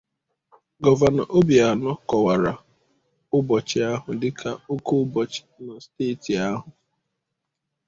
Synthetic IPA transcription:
ɡɔ˦va˨na̰˨ʔo˦bi˨a˨nɔ˦kɔ˨wa˨ɾa˨ | ʊ˦bɔ˨t͡ʃɪ˨a˦ɦʊ˨dɪ˦kʰa˨o˦ko˦bɔ˨t͡ʃɪ̥˨na˨steː˦˨ti˨a˦ɦʊ˨

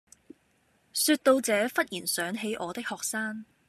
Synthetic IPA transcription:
syː˧t̚t̪o˧wt͡sɛː˨˧fɐ˥t̚jiː˨˩nsœː˨˥ŋɦe˨˥jʔɔː˨˧t̪ɪ˥k̚hɔː˨k̚saː˥ŋ

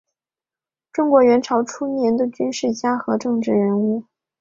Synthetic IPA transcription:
ʈ͡ʂʊ˥ŋkwɔ˧˥ɥɛ˧˥nʈ͡ʂʰɑ˧˥ʊʈ͡ʂʰu˥njɛ˧˥nd̪ə˧t͡ɕy˥nʂɻ̩˥˩t͡ɕja˥xɤ˧˥ʈ͡ʂɤ˥˧ŋʈ͡ʂɻ̩˥˩ɻə˧˥nu˥˩

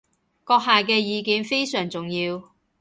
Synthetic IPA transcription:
kɔː˧k̚ɦaː˨kɛː˧jiː˨˧kiː˨˧nfe˥jsœː˨˩ŋt͡sʊ˨ŋjiː˧w

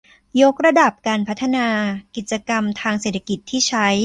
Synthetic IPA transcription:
jo˦˥k̚ɾa˧da˨˩p̚kaː˧npʰa˦˥t̪ʰːa˧naː˧ki˨˩t̪̚t͡ɕa˧ka˧mt̪ʰaː˧ŋseː˨˩t̪ʰːa˧˥ki˨˩t̪ʰːiː˥˩t͡ɕʰa˦˥j

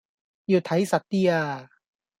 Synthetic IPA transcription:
ju˧˩t̪ʰa˨˦jsa˨˩t̪ːi˧a˧˩

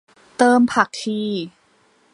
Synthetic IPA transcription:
t̪ɤː˧mpʰa˨˩k̚t̪ʰiː˧˩

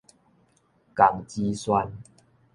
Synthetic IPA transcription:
ka˨˩ŋt͡ɕi˧swa˧n

